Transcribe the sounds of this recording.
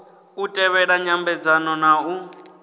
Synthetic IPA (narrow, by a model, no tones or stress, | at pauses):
utʼɛβɛɺaɲambɛd͡zanɔnau